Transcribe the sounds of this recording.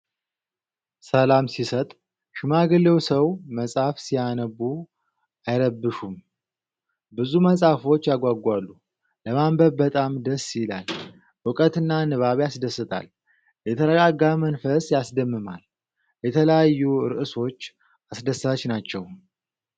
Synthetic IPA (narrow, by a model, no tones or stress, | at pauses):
səlamsisət̪ʼ | ʃɪmaɡɨlewsəwməsʼafsijanəbu | ajɾəbːɨʃum | bɨzuməsʼafo̞t͡ʃːjaɡʷaɡʷalːu | ləmambəβbət̪ʼamd̪əsːjla̰l | ʔɨkʼət̪ɨnːanɨβaβjasd̪əsːɨt̪ʰʼa̰l | jɛt̪ʰəɾəɡaɡamənfəsjasd̪əmːɨma̰l | jɛt̪ʰələjajːuɾɨʔɨso̞t͡ʃː | ʔasd̪əsːaət͡ʃnat͡ʃːɛw